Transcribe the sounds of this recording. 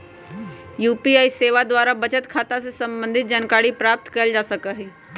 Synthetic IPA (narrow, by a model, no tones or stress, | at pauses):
juːpiaːiseːʋad̪waːɾabət͡ʃət̪kʰaːt̪asesɐ̃mbə̃nd̪ʱɪt̪̚d͡ʒənkaːɽipɾaːp̚t̪kɐld͡ʒaːsəkaɦɛː